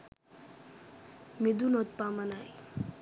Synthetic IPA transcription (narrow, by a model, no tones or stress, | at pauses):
mid̪unot̪̚pamanaj